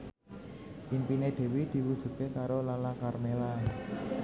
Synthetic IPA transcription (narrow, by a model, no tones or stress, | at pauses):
ʔimpined̪̥e̤wid̪̥i̤wud̥ʒ̥ṳkekaɾolalakarmela